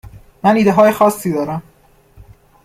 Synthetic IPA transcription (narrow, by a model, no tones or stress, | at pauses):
mæniːd̪eɦɒːjexɒːsːiːd̪ɒːɾæm